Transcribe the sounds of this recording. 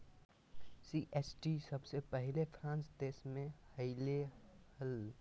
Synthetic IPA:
siʔeːsʈisɐbsepɛɦɪlefʰɾãːnsd̪eːsmẽhɐɪlehəl

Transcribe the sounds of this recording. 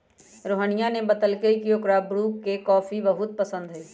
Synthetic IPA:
ɾoːɦəñijanebɐt̪əlkeikijoːkɾaːbɾuːkːekɔːfibɐɦʊt̪̚pɐsə̃nd̪ɦʊiː

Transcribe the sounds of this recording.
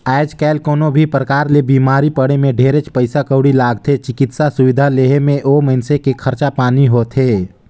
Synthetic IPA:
ɛːd͡ʒkɛːlkoːnobʱipɾkaːɾlebiːmaːɾipəɽemẽɖʱeːɾet͡ʃpəɪsakəʊɽilaːɡt̪ʰet͡ʃɪkɪt̪sasʊʋɪd̪ʱaleːɦemẽʔoːməɪnsekekʰəɾt͡ʃapaːniɦot̪ʰɦeː

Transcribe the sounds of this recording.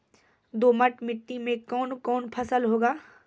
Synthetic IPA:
d̪oːməʈmɪʈːimẽkɔːnkɔːnpʰɐsəlɦoːɡaː

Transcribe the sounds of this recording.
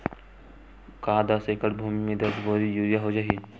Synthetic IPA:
kaːd̪asekəɽbʱuːmimẽd̪əɾsboːɾijuːɾijaɦod͡ʒaːi

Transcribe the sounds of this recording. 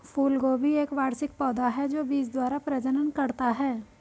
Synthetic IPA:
fuːlɡoːbʱieːkʋaːɾsɪk̚pɔːd̪aɦɛd͡ʒoːbiːd͡ʒd̪waːɾapɾəd͡ʒənənkɐɾt̪aɦɛː

